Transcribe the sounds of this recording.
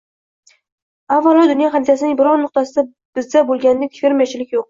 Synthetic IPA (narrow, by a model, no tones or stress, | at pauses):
avːalˠɒd̪ʊnjɒχanɪt̪ʰasɪnɪŋbɪɾɒnnʊq̚t̪asɪd̪a | b̥ɪzd̪abolˠɡʲand̪ekʲfʲeɾmijat͡ʃʰɪlɪkʲjoq̚